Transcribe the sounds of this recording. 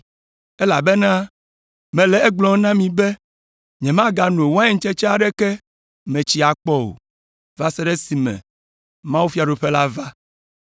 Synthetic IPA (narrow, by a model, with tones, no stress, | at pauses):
ɛ˦la˨bɛ˦nã˦ | mɛ̃˨lɛ˨ɛ˦ɡ͡blɔ̃˨˦nã˦mĩ˨bɛ˦ | ɲɛ̃˨mã˦ɡa˨nũ˨wa˦ɛ˦ŋ̩˦t͡ʃɛ˦t͡ʃɛ˦a˨ɖɛ˦kɛ˦ | mɛ̃˨t͡ɕi˨a˨k͡pɔ˦o̰˨ | va˦sɛ˦ɖɛ˦si˨mɛ̰̃˨ | mã˦wu˦fi˦a˨ɖo˨ɸɛ˦la˦va˦